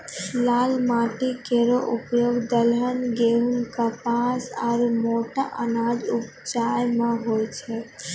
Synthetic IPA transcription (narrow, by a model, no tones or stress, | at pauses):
laːlmaːʈikeɾoʔʊpjoɡd̪əlɦənɡeːɦunkapaːsaːɾmoːʈaʔənaːd͡ʒʊp | t͡ʃaːjmãɦoːjt͡ʃʰɛ